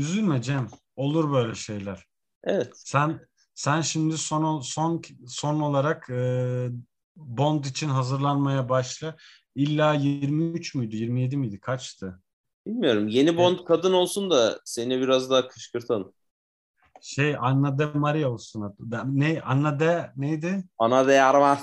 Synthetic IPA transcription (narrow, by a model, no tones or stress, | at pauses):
yzylʲmed͡ʒem | o̞lˠuɾbø̞jlʲɛʃe̞jlʲæɾ̥ | evɛt̪sæn | sænʃimd̪isonsonso̞no̞lˠaɾakɯː | bo̞nd̪it͡ʃʰinɦazɯɾlˠanmajabaʃlˠɯ | ilʲːaːjiɾmiyt͡ʃmujd̪ujiɾmije̞d̪imyjd̪ikʰat͡ʃt̪ʰɯ | b̥ilʲmijo̞ɾumje̞nibo̞nt̪kʰad̪ɯno̞lˠsund̪ase̞nibiɾazd̪aakʰɯʃkɯɾt̪ʰan | ʃe̞janːad̪ɛmaɾijaolˠsunad̪nejanːad̪ɛnejd̪ɪanad̪ɛaɾma